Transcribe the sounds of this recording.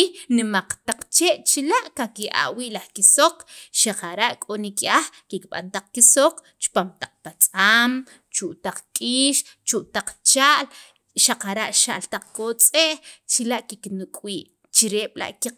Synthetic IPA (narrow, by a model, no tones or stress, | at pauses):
inimaq͡χt̪aq͡χt͡ʃeʔt͡ʃilaʔkakiʔa̰ʔwiʔlaχkisoqʃaqaɾaʔkʼonikiaχkikɓa̰nt̪aq͡χkisoq͡χ | t͡ʃpamt̪aq͡χ̚pat͡sʼam | t͡ʃuʔt̪aq͡χkʼiːʃt͡ʃuʔt̪aq͡χt͡ʃaːʔl | ʃaqaɾaʔʃa̰ʔlt̪aq͡χkot͡sʼeʔxt͡ʃilaʔkiknukʼwiːʔ | t͡ʃiɾeɓ̥la̰ʔki